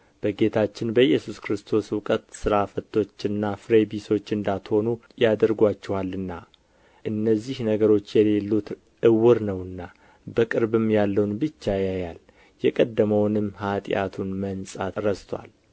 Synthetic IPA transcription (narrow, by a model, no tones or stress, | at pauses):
b̥əɡe̞t̪ʰat͡ʃːɪnbəjɛsuskɾɨst̪ʰo̞swʊkʼət̪sɨɾafət̪ʰːo̞t͡ʃːɨnːafɾebiso̞t͡ʃːɨnd̪at̪ho̞nujad̪əɾɡʷat͡ʃːɛwalːɨnːa | ʔɨnːəzːihnəɡəɾo̞t͡ʃːjɛle̞lːut̪ | ʔɨwɨɾnəwɨnːa | bəkʼɨɾbɨmjalːəwnbɨt͡ʃːajajal | jɛkʼəd̪ːəməwnɨmːhat̪ʼja̰t̪ʰunmənsʼaɾəst̪ʰwa̰l